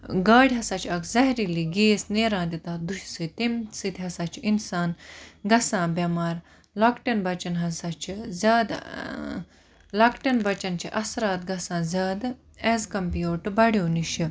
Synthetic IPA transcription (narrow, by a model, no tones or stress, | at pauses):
ɡaːɽʲɦɐsaːt͡ʃʰiɐkzɐɦɾiliɡeːsneːɾãːnd̪it̪aːd̪uʃsɨt̪emsit̪ʰʲiɦɐsaːt͡ʃʰiʔinsaːnɡɐsãːbjɐmaːɾ | laːkʈɐnbɐt͡ʃɐnɦɐsaːt͡ʃʰizʲaːd̪ | laːkʈɐnbɐt͡ʃɐnt͡ʃʰiʔɐsɾaːt̪̚ɡɐsãːzʲaːd̪ | ɛːzkɐmpjuːʈbɐɽjoːniʃi